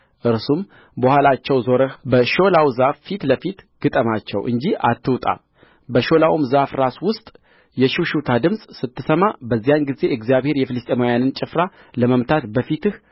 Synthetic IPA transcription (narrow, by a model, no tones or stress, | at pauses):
ʔɨɾsum | bəhʷalat͡ʃːɛwzo̞ɾəhbəʃo̞lawzafːit̪ləfit̪ɡ̥ɨt̪ʼəmat͡ʃːɛ̰wʔɨ̰ɲd͡ʒiat̪ʰːɨwt̪ʼa̰ | bəʃo̞lawumzafɾaswʊst̪ʼ | jɛʃuʃut̪ʰad̪ɨmsʼsɨt̪ʰːɨsəmabəzːijanɡize̞ʔɨɡzijaβhe̞ɾjɛfɨlɨst̪ʼemojanɨnt͡ʃʼɪfɾa | ləməmt̪ʰat̪bəfit̪ɨh